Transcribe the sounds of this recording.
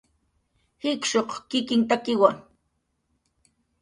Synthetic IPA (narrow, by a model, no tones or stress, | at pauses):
hɪkʃoqkɪkɪŋt̪̬akɪwaŋ